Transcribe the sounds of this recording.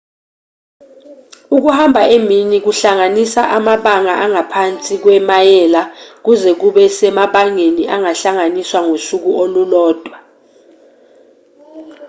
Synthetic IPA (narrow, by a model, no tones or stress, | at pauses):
uk̬uhambʱaeminik̬uɬaŋanisaʔamaɓaŋaʔaŋapʰant͡sʼik̬wɛmajɛlak̬uzɛk̬uɓɛsɛmaɓaŋeniʔaŋaɬaŋaniswaŋosuk̬uolulɔːd̥ʱwa